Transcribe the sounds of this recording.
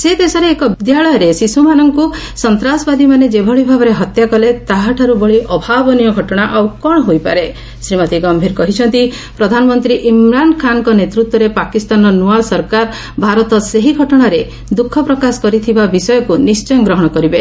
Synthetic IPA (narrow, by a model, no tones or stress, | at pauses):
sed̪esɔɾeːkɔbid̪jaɭɔjɔɾesisumanɔŋku | sɔnt̪ɾasɔbad̪imaned͡ʒebʱɔɭibʱabɔɾeɦɔt̪jakɔlet̪aɦaʈʰaɾubɔɭiʔɔbʱabɔnijɔɡʱɔʈɔɽ̃aʔawkɔɽ̃ɔɦojpa̰ɾe | sɾimɔt̪iɡɔmbʱiɾkɔɦit͡ʃʰɔnt̪i | pɾɔd̪ʱanɔmɔnt̪ɾiʔimɾaɳɖɔkʰankɔnet̪ɾut̪wɔɾepakist̪anɔnualsɔɾkaɾ | bʱaɾɔt̪ɔseɦiɡʱɔʈɔɽ̃aɾe | d̪ukʰːɔpɾɔkasɔ̥kɔɾit̪ʰibabisɔjɔkunist͡ʃɔjɔɡɾɔɦɔɽ̃ɔkɔɾibe